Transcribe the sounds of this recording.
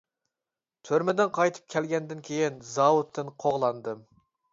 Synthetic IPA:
t̪ʰøɾmɪd̪ɪnqʰɑjt̪ʰɨ̥p̚kʲʰɛlɡʲɛnd̪ɪnkʲʰejinzɑwut̪ʰːɨnqʰoʁlˠɑnd̪ɨm

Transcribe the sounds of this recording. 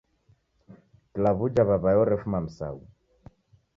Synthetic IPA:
klaβud͡ʒaβaβajɔɾɛfumam̩sa̰u

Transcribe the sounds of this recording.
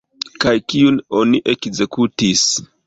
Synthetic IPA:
kajkiuno̞niʔe̞kze̞kutis

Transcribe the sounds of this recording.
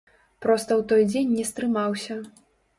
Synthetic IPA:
pɾɔst̪ɐwt̪ɔjd͡zʲenʲːɛst̪ɾɨmawsʲɐ

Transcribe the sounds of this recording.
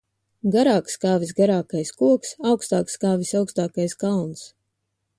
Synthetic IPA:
ɡaɾaːkskaːvis̬ɡaɾaːkajskuɔksawkst̪aːkskaːvisawkst̪aːkajskalˠns

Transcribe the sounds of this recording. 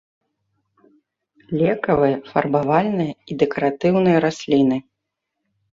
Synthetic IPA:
lʲɛkɐvɨjɐfɐrbavalʲnɨjɐid̪ɛkɐɾat̪ɨwnɨjɐɾasʲlʲinɨ

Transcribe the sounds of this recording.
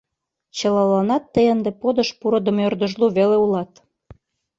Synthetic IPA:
t͡ɕə̆lɑlɑnɑt̪ːəjənd̪epod̪ə̆ʃpuɾɤ̆d̪ə̆mørd̪ə̆ʒluβeleulɑt̪

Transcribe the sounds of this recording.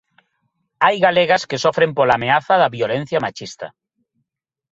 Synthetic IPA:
ajɣaleɣaskesɔfɾempolameaθaðɐβjolẽn̟θjamat͡ʃist̪ɐ̰

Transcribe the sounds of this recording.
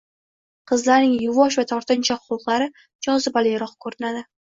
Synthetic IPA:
qʰɨzlaɾnɪŋjʊvɒʃ̬vat̪ʰɒɾt̪ʰɪnt͡ʃʰaʊlˠqlˠaɾɪ | d͡ʒɒzɪbalɪjɾɒqkʰɵɾɪnad̪ɪ

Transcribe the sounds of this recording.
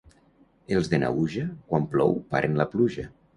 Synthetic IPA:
elˠzðena̰ɣuʒakwamplɔ̰wpa̰ɾʔenlapluʒa

